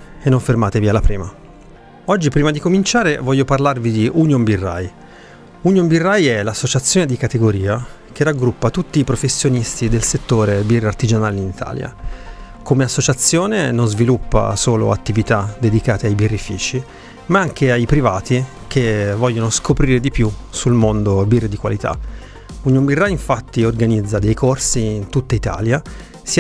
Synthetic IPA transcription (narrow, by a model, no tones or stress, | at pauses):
enːoɱfermaːt̪evialːapɾḭːma | ɔd͡ʒːipɾiːmad̪ikomint͡ʃaːɾevɔʎːoparlarvid̪iʔunjombirːa̰j | unjombirːajɛlasːot͡ʃat̪sːjoːned̪ikat̪eɡoɾiːa | k̟eraɡɾupːat̪ut̪ːiːpɾofesːjonist̪id̪elset̪ːoːɾebirart̪id͡ʒanaːleinit̪ʰa̰ːlja̰ | komeasːot͡ʃat̪sːjoːnenonzvilupːa̰soːlo̰a̰t̪ːivit̪ad̪ed̪ikaːt̪eajbirːifḭːt͡ʃi | maaŋk̟eajpɾivaːt̪i | k̟evːɔʎːonoskopɾiːɾed̪ipjusulmond̪obird̪ikwalit̪ʰa̰ | uɲːombirːaiɱfat̪ːiorɡanid̪zːad̪ejkʰorsiːnt̪ut̪ːait̪a̰ːlja | si